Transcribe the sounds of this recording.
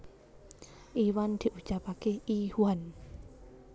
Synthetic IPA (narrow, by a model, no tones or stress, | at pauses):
ʔiwand̪̥i̤ʔut͡ʃapakeihuwan